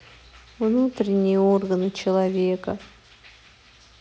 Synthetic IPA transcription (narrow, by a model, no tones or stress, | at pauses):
vnut̪ɾʲɪnʲːɪjəorɡənɨt͡ɕɪlˠɐvʲe̞kə